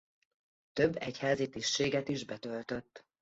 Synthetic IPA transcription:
t̪øbːɛchaːzit̪iːʃːeːɡɛt̪iʒbɛt̪ølt̪ø̞t̪ː

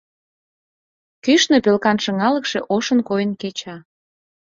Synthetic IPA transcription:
kyʃnepelkɑnʃɤ̆ŋɑlə̆kʃeʔoʃənkojənket͡ɕɑ

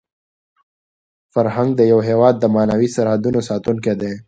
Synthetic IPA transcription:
faɾɦaŋɡ̚d̪əjawɦewɑːd̪ːəmɑːnawisaɾhad̪unosɑːt̪unked̪e

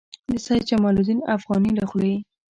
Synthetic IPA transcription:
d̪əsɑjt͡ʃamɑlud̪inafɣɑnilaxleji

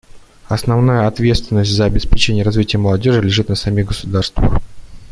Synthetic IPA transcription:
ɐsnɐvnajəɐt̪vʲe̞t̪st̪vʲɪnːəsʲtʲzəɐbʲɪspʲɪt͡ɕenʲɪjəɾɐzvʲitʲɪjəməlˠɐdʲo̞ʐɨlʲɪʐɨt̪nəsɐmʲiɣɡəsʊd̪arst̪və̰x

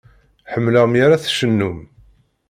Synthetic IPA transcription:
ħəmːləʁmjaɾæθʃənːum

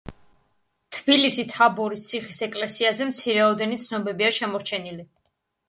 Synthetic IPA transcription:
t̪ʰb̥ilisit̪ʰabɔɾist̪sʰiχisɛkʼlɛsiazɛmt̪sʰiɾɛɔd̪ɛnit̪sʰnɔbɛbiaʃɛmɔɾt͡ʃʰɛnili

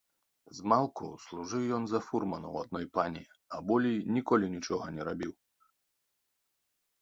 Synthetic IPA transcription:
zmalˠkṵslˠuʐɨwjɔnzɐfurmɐnɐ̰wad̪̚nɔjpanʲḭ | ɐbɔlʲijnʲikɔlʲinʲit͡ʂɔɣɐnʲɛɾabʲiw

